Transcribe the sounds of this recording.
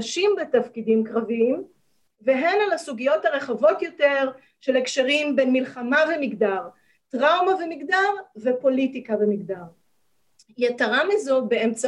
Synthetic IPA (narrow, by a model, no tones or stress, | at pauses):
ʃimbetafkidimkʁaviim | veɦe̞nalasuɡijo̞thaʁeχavo̞tjo̞te̞ʁ | ʃe̞lekʃeʁimbenmilχamavemiɡdaʁ | tʁawmavemiɡdaʁvepo̞litikavemiɡdaʁ | jetaʁamizobeemt͡sa